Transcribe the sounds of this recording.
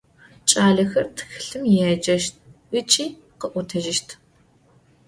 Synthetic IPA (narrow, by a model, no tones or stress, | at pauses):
t͡ʃʼaːɮɐxɐrtʰxɨ̥ɬɨmjɛd͡ʒɐʃt̚ʰʔɨt͡ʃʼiː | qəʔʷʊtʰɐʒɪʃtʰ